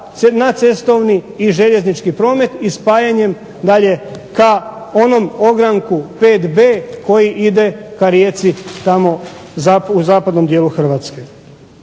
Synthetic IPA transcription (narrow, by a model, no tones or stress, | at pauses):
nat̪se̞st̪o̞ʋniːʒeʎe̞znit͡ʃkipɾo̞ːme̞t̪ispaːjaɲe̞m | d̪aʎe̞ka | o̞no̞mo̞ɡɾaŋkupe̞ːt̪be̞ːko̞jiʔid̪e̞kaɾjeːt̪sit̪amo̞ | zapuzaːpad̪no̞md̪jeːlˠuxr̩ʋaːt̪ske